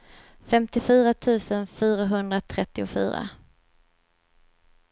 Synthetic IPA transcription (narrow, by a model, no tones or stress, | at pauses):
fɛmt̪ɪfyːɾat̪ʰʉ̟ːsənfyːɾaɦɵnd̪ɾat̪ʰɾɛt̪ːɪʊfy̰ːɾa̰